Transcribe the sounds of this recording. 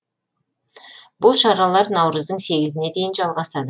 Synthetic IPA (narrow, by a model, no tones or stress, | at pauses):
bʊlˠʃɑɾɑlˠɑɾnɑwɾəzd̪əɴse̞ɡʲɪzɪne̞d̪e̞jɪnʒɑlˠʁɑsɑd̪ə